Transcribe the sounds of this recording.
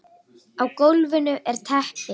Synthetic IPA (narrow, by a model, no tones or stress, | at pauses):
awkowlvɪnʏʔɛɾ̥t̪ʰɛhpɪ